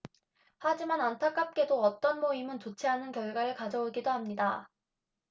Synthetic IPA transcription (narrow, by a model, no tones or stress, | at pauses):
had͡ʑimanantʰak͈ap̚k͈e̞doʌt͈ʌnmoimɯnt͡ɕot͡ɕʰeɦanɯnkjʌɭɡwaɾɯɭkad͡ʑʌoɡidohamɲida